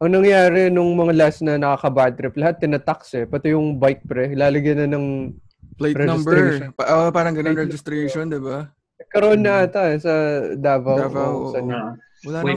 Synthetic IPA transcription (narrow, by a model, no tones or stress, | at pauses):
ʔɐŋnɐŋjaːɾɛnʊŋmɐŋalasnɐnɐkɐkɐbat̪ɾɪplɐhat̪ːɪnat̪aksɛpɐt̪ɪjʊŋbajk̚pɾɛlaːlɐɡjɐnɐnɐŋ | pleɾɛd͡ʒnɐɪmbɛɾaʔopaːɾɐŋɡɐnonɾɛd͡ʒɪst̪ɾejʃond̪ɪba | nɐɡ̚kɐɾɐʔonːɐat̪ɐɛsɐd̪aːvɐvawsɐnɐ | wɐlaː